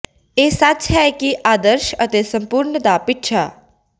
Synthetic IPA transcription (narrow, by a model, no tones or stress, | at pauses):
eːsət͡ʃɦɛːkiʔaːd̪əɾʃət̪eːsəmpʊɾɳəd̪aːpɪʈʃʰa̰ː